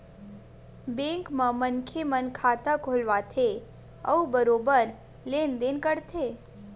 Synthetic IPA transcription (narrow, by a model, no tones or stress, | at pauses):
bẽːŋkmãmənkʰemənkʰaːt̪akolʋat̪ʰe | ə̰ubəɾoːbəɾ | leːnd̪enkəɾt̪ʰeː